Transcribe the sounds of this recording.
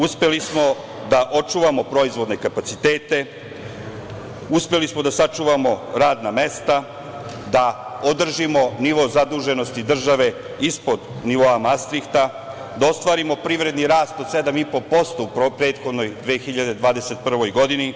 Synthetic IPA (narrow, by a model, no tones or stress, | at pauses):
uspe̞lismo̞ | d̪aʔo̞t͡ʂuːʋamo̞pɾo̞izʋo̞d̪nekapat̪sit̪e̞ːt̪e̞ | uspe̞lismo̞d̪asat͡ʃuːʋamo̞ɾaːd̪name̞st̪a | d̪aod̪r̩ʒimo̞niʋo̞ːzad̪uʒe̞no̞st̪id̪r̩ʒaʋe̞ | ispo̞d̪ | niʋo̞amast̪ɾikt̪a | d̪ao̞st̪ʋaːɾimo̞pɾiʋɾe̞d̪niɾaːst̪o̞d̪sed̪amipo̞po̞st̪o̞uppɾe̞ːt̪xo̞d̪no̞jd̪ʋeːxiʎad̪e̞d̪ʋaːd̪e̞se̞t̪pr̩ʋo̞jɡo̞d̪ini